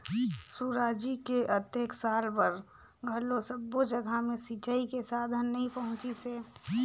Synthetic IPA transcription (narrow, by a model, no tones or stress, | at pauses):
suɾaːd͡ʒikeʔət̪jəksaːlpəɾ | ɡʱəlosəbːod͡ʒəɡʱamẽsit͡ʃaːikesaːd̪ʱənːəɦĩpəɦʊ̃t͡ʃiseː